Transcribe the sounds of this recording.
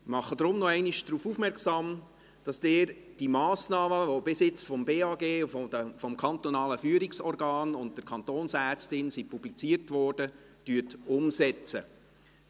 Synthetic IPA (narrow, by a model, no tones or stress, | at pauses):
mɑχːədɾʊmnɔɛɪniʃd̥ɾuːfuːfmɛɾksɑːm | d̥ɑsd̥eːɾd̥imɑːsnɑːməʋobɪsɪt͡sfɔmbeːɑɡeːufɔdəfɔmkʰɑnt̪ɔnɑːləfyːɾɪksɔɾɡɑːnʊnt̚d̥əɾkʰɑnt̪oːnsæːɾt͡stɪnsipublit͡siəɾtʋɔːrd̥ə | tyətʊmsɛt͡sə